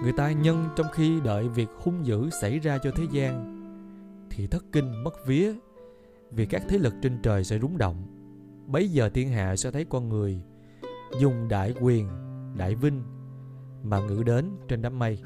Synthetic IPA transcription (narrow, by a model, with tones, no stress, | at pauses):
ŋɨ˨˩əjt̪aː˧ɲə˧nt͡ɕɔ˧wŋ͡mxi˧ɗə̰ː˧˨jvi˨˩ək̚xʊ˧ŋ͡mzɨ̰˧˥sa˧˩jzaː˧t͡ɕɔ˧t̪ʰe˨˦zaː˧n | t̪ʰi˨˩t̪ʰɨ˦˥k̚kːï˧ŋ̟mə˦˥t̚vi˨˦ə | vi˨˩kaː˦˥k̚t̪ʰe˨˦lɨ˨˩k̚t͡ɕe˧nt͡ɕəː˨˩jsɛ̰˧˥zʊ˨˦ŋ͡mɗo̰˧˨wŋ͡m | ɓə˨˦jzəː˨˩t̪i˧ənɦa̰ː˧˨sɛ̰˧˥t̪ʰə˨˦jkɔ˧nŋɨ˨˩əj | zʊ˨˩ŋ͡mɗa̰ː˧˨jkwi˨˩ənɗa̰ː˧˨jvï˧ŋ̟ | maː˨˩ŋɨ̰˧˥ɗe˨˦nt͡ɕe˧nɗaː˨˦mːa˧j